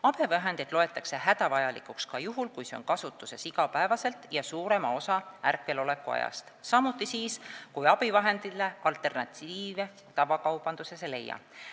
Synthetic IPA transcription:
ɑb̥evɑɦe̞nd̪̥id̪lo̞e̞t̪ːˑɑkse̞hæd̪̥ɑvɑjɑlḭkukskɑjuɦulkujse̞onkɑsut̪ːˑuse̞siɡɑpæevɑse̞lt̪ˑjɑsuːɾe̞mɑo̞sɑærkːˑe̞lo̞lekːuɑ̰jɑ̰st̪sɑmut̪ːˑisiːskujɑb̥ivɑɦe̞nd̪̥ileɑlt̪ːˑe̞rnɑt̪ʲiːve | t̪ɑvɑkɑwb̥ɑnd̪use̞sele̞̰jːɑ̰

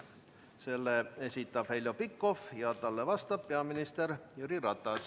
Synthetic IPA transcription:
se̞lːee̞sʲit̪ːˑɑb̥helʲjopikːo̞fjɑt̪ɑlːevɑst̪ɑbːeɑminist̪erjyɾirɑt̪ːˑɑs

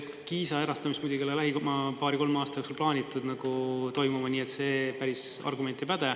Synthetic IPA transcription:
kiːsɑe̞ɾɑst̪ɑmist̪mujd̪ʲuɡilelæɦikmɑpɑːɾiko̞lmɑːst̪ɑjoksolplɑːnʲit̪ːˑud̪nɑɡ̥ut̪o̞jmumɑniːet̪se̞ːpæɾisɑ̰rɡume̞nt̪ːepæd̪̥e

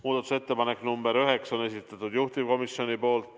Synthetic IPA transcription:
muːd̪̥ɑt̪u̥se̞t̪ːepɑnekːnumbe̞ɾyɦekso̞nes̬it̪ːˑɑt̪ːˑud̪juht̪ivko̞misjo̞nʲipo̞ːlt̪ːˑ

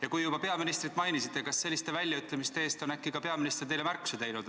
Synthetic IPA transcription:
jɑkujubɑpe̞ɑminist̪ɾit̪ːˑmɑjnisit̪ːekɑsːe̞lːist̪e̞vælʲjɑyt̪ˑlemist̪eeːst̪o̞nækːikɑpe̞ɑminist̪rt̪e̞jlemærkkːu̥se̞t̪e̞jnud̪̥

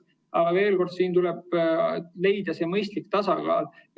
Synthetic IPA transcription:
ɑɡ̥ɑve̞ːlko̞rd̪̥siːnt̪uleb̥̚ | le̞jd̪̥ɑseːmɤjst̪likt̪ɑsɑɡ̥ɑ̰ːl

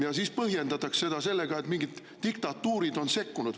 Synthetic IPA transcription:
jɑsiːspɤhje̞nd̪ɑt̪ːɑksse̞d̪ɑse̞lːe̞ɡ̥ɑet̪miŋɡid̪̥ːikt̪ɑt̪ːˑuːɾid̪̥o̞nse̞kːunud̪̥

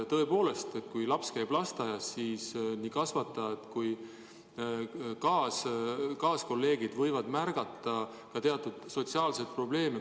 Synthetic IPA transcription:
t̪ɤ̞e̞po̞ːle̞st̪e̞t̪ːˑkujlɑpskæjb̥lɑst̪ɑjɑsːiːsniːkɑsvɑt̪ːˑɑet̪ːˑkuj | kɑːskɑːsko̞lːe̞ːɡid̪̥vɤjvɑd̪̥mærɡ̥ɑt̪ːˑɑ | kɑt̪e̞ɑt̪ːˑud̪̥so̞t̪siɑːlset̪̚pro̞b̥le̞ːme

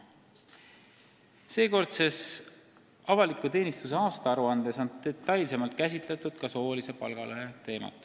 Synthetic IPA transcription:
se̞ːko̞rd̪ses | ɑvɑlikːˑut̪e̞ːnist̪use̞ɑːst̪ɑɑɾuɑnd̪̥e̞so̞nt̪et̪ːˑɑjlse̞mɑlt̪̚kæs̬ʲit̪ˑle̞t̪ːˑud̪̥̚kɑso̞ːlise̞pɑ̰lɡ̥ɑlʔøɦe̞t̪e̞ːmɑ̰t̪ˑ

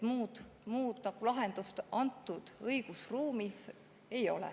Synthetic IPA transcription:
muːd̪̥muːd̪̥nɑɡ̥ulɑɦend̪̥ust̪ɑnt̪ːˑud̪̥ɤjɡ̥usruːmis | e̞jo̞̰lɛ̰

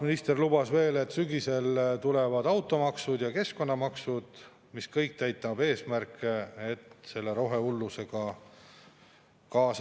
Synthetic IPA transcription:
minist̪e̞rlub̥ɑsve̞ːle̞t̪ːˑsyɡise̞lt̪ule̞vɑd̪̥ɑwt̪ːˑo̞mɑksud̪jɑke̞sko̞nːɑmɑksud̪̥ | miskɤjk̚t̪æjt̪ːˑɑbe̞ːsmærkːˑeet̪se̞lːeɾo̞ɦe̞ulːuse̞ɡ̥ɑ | kɑːs

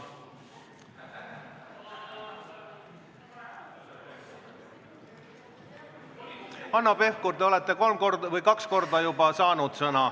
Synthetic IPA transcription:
ɑnːɑpe̞hkuɾd̪eo̞le̞t̪ːˑe̞ko̞lmko̞rd̪vɤjkɑksko̞rd̪ɑjubɑsɑːnud̪̥sɤnɑ

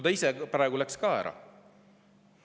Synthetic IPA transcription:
d̪ɑisepɾɑˑeɡulækskɑæ̰ɾʔɑ̰

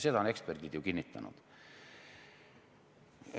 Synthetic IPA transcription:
sed̪ɑone̞ksperd̪id̪̥jukinːit̪ːˑɑ̰nṵd̪̥

